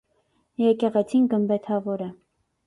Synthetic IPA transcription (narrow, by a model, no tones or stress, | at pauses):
jɛkɛʁɛt͡sʰinɡəmbɛt̪ʰɑvɔɾə